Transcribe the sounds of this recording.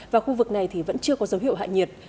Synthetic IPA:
vaː˨˩xu˧vɨ˨˩k̚na˨˩jt̪ʰi˨˩və̰˧˥nt͡ɕɨ˧əkɔ˨˦zə˨˦wɦḭ˧˨əwɦa̰˧˨jɲi˨˩ət̚

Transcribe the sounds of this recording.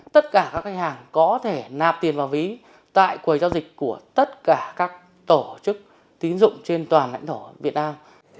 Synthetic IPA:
t̪ə˦˥t̚kaː˧˩kaː˦˥k̚ha˧ŋ̟haː˨˩ŋkɔ˨˦t̪ʰe˧˩naː˨˩p̚t̪i˨˩ənvaː˨˩wvi˨˦ | t̪a̰ː˧˨jkwi˨˩jzaː˧wzï˨˩k̟̚ku˧˩ət̪ə˦˥t̚kaː˧˩kaː˦˥k̚ | t̪o˧˩t͡ɕɨ˦˥k̚ | t̪i˨˦ənzʊ̰˧˨ŋ͡mt͡ɕe˧nt̪waː˨˩nla̰˧jŋ̟t̪ʰo˧˩vi˨˩ət̚naː˧m

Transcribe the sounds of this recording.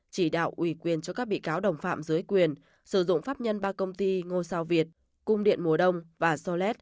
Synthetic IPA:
t͡ɕi˧˩ɗa̰ː˧˨wʔwi˧˩kwi˨˩ənt͡ɕɔ˧kaː˦˥k̚ɓḭ˧˨kaː˨˦wɗə˨˩wŋ͡mfa̰ː˧˨mzɨ˨˦jkwi˨˩ən | sɨ˧˩zʊ̰˧˨ŋ͡mfaː˦˥p̚ɲə˧nɓaː˧kə˧wŋ͡mt̪i˧ŋo˧jsaː˧wvi˨˩ət̚ | kʊ˧ŋ͡mɗḭ˧˨ənmu˨˩əɗə˧wŋ͡mvaː˨˩sɔ˧lɛ˦˥t̚

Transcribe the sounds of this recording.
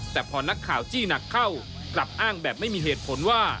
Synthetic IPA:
t̪ɛː˨˩pʰɔː˧na˦˥kʰːaː˨˩wt͡ɕiː˥˩na˨˩kʰːa˥˩w | kla˨˩p̚ʔaː˥˩ŋbɛː˨˩p̚ma˥˩jmiː˧heː˨˩t̪̚pʰo˩˦nwaː˥˩

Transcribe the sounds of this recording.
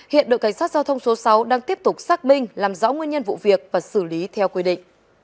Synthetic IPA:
hḭ˧˨ənɗə̰˧˨jka˧˩jsaː˦˥t̚zaː˧wt̪ʰwŋ͡mso˨˦sa˨˦wɗaː˧ŋt̪i˦˥əp̚t̪ʊ˨˩k͡p̚saː˦˥k̚mï˧ŋ̟laː˨˩mzɔ̰ː˧˥ŋwi˧ənɲə˧nvṵ˧˨vi˨˩ək̚vaː˨˩sɨ˧˩li˨˦t̪ʰɛ˧wkwi˧ɗḭ̈˧˨ŋ̟

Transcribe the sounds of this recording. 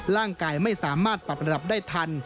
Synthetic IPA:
ɾaː˥˩ŋkaː˧jma˥˩jsaː˩˦maː˥˩t̪̚pa˨˩p̚ɾa˧da˨˩p̚daː˥˩jt̪ʰa˧n

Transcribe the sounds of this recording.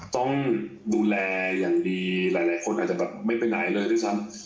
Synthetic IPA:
t̪ɔ˥˩ŋduː˧lɛː˧jaː˨˩ŋdiː˧laː˩˦jlaː˨˩˦jkʰo˧nʔa̰˨˩t͡ɕa˨˩bɛː˨˩p̚ma˥˩jpe˧na̰˨˩˦jlɤː˧jt̪ʰaː˥˩t͡ɕʰa˦˥n

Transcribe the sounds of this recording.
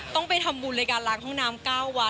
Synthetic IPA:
t̪ɔ˥˩ŋpa˧jt̪ʰa˧mbuː˧nla˧jkaː˧nlaː˨˦ŋhʰɔ˥˩ŋnaː˦˥mkaː˥˩wːa˦˥

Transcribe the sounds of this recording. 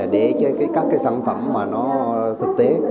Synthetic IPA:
ɗe˧˩t͡ɕə˨˦kaː˨˦jkaː˦˥k̚ːaː˨˦jsa̰ː˧˩nfə̰˧˩mːaː˨˩nɔ˨˦t̪ʰɨ˨˩k̚t̪e˨˦

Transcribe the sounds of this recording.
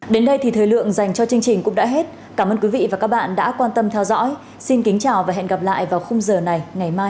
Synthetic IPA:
ɗe˨˦nɗə˧jt̪ʰi˨˩t̪ʰəː˨˩jlɨ̰˧˨əŋza˨˩jŋ̟t͡ɕɔ˧t͡ɕɨ˧əŋt͡ɕï˨˩ŋ̟kʊ̰˧˥ŋ͡mɗa̰ː˧˥ɦe˦˥t̚ | kaː˧˩məː˧nkwi˨˦vḭ˧˨vaː˨˩ka˦˥k̚ɓa̰ː˧˨nɗa̰ː˧˥kwaː˧nt̪ə˧mt̪ʰɛ˧wzɔ̰˧˥j | si˧nki˨˦ŋ̟t͡ɕaː˨˩wvaː˨˩ɦḛ˧˨nɣa˨˩p̚la̰ː˧˨jvaː˨˩wxə˧wŋ͡mzəː˨˩na˨˩jŋa˨˩jmaː˧j

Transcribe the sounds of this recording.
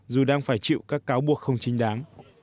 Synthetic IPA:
zu˨˩ɗaː˧ŋfaː˧˩jt͡ɕḭ˧˨wkaː˦˥kːaː˨˦wɓu˨˩ək̚xə˧wŋ͡mt͡ɕï˨˦ŋ̟ɗaː˨˦ŋ

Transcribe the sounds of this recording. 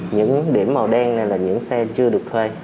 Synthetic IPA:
ɲɨ̰˧˥ŋɗi˧˩əmːaː˨˩ɗɛ˧ŋna˨˩jlaː˨˩ɲɨ̰˧˥ŋsɛ˧t͡ɕɨ˧əɗɨ˨˩ək̚t̪ʰwe˧

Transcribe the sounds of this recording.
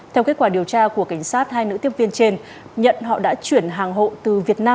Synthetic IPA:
t̪ʰɛ˧wke˦˥t̚kwaː˧˩ɗi˨˩əwt͡ɕaː˧ku˧˩əka˧˩jŋ̟saː˦˥t̚haː˧jnɨ̰˧˥t̪i˧˩ən̚vi˧ənt͡ɕe˧n | ɲə̰˧˨nɦɔ̰˧˨ɗa̰ː˧˥t͡ɕwi˧˩ənɦaː˨˩ŋɦo̰˧˨t̪ɨ˨˩vi˨˩ət̚naː˧m

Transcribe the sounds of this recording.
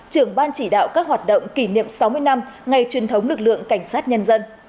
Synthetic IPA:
t͡ɕɨ˧˩əŋɓaː˧nt͡ɕi˧˩ɗa̰ː˧˨wkaː˦˥k̚ɦwaː˨˩t̚ɗə̰˧˨wŋ͡mki˧˩nḭ˧˨əmsa˨˦wmɨ˧əjna˧mŋa˨˩jt͡ɕwi˨˩ənt̪ʰə˨˦wŋ͡mlɨ˨˩k̚lɨ̰˧˨əŋka˧˩jŋ̟saː˦˥t̚ɲə˧nzə˧n

